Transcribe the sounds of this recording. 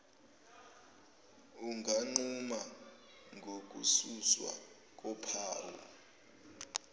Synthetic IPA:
uŋʱaŋ͡ǀuma | ŋʱok̬ʼususwa̰ | k̬ɔpʰaːwɔ̰

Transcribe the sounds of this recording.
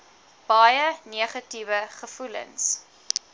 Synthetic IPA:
b̥ɐjəniəχɐtivəχəfulə̰ns

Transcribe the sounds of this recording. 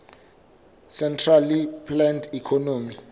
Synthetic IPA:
sɛntʰralipʰlɛndʰikʰɔnoːmi

